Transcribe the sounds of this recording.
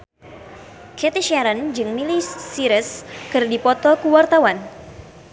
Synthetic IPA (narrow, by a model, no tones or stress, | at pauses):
kɛt̪iʃaɾənd͡ʒɨŋmilisiɾəskɨrdipɔt̪ɔkuwart̪awan